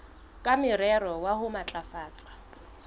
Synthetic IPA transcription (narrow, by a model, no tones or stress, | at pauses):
kʼamɪɾɛɾɔwahʊmat͡ɬʼafaːt͡sʼḁ